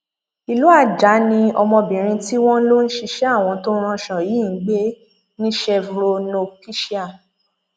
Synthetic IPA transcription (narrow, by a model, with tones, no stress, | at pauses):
i˨lu˦a˦˨d͡ʒa˨˦nĩ˧ɔ˧mɔ̃˧bĩ˨ɾ̃ĩ˧ti˦w̃ɔ̃˦lo˦n̩˦ʃi˧ʃɛ˦a˦˨w̃ɔ̃˧to˦ɾ̃ɔ̃˧ʃɔ̃˨ji˨˦˨ŋ̩˨˦ɡ͡be˦ | nĩ˦ʃɛ˧vɾo˧no˧ki˦ʃi˦a˦˨